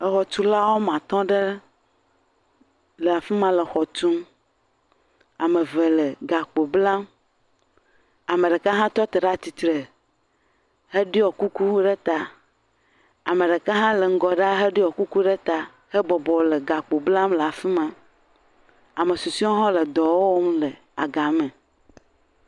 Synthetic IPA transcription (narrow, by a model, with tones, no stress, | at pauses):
ə˨xɔ˨t͡ʃ̪u˦la˦wo˦mã˨t̪ɔ̃˦ɖə˦ | lə˨a˨fi˦mã˨lə˨xɔ˨t͡ʃu˦m | a˨mə̃˨və˨lə˨ɡa˨k͡po˨bla˦m | a˨mə̃˨ɖə˨ka˦ɦã˦t̪ɔ˦t̪e˨ɖa˦t̪i˨t̪ɾə˨ | hə˦ɖi˦ɔ˨ku˦ku˦ɖə˦t̪a˦ | a˨mẽ˨ɖə˨ka˦ɦã˦lə˨ŋ̩˦ɡɔ˨ɖa˦ɦə˦ɖi˦wɔ˨ku˦ku˦ɖe˦t̪a˦ | hə˦bɔ˨bɔ˨lə˨ɡa˨k͡po˨bla˦mlə˨a˨fi˦mã˨ | a˨mə˨su˨si˦ɔ˦ɦɔ̃˦lə˨d̪ɔ˨wo˦wo˦m˦lə˨ | a̰˨ɡa˨mə̃˨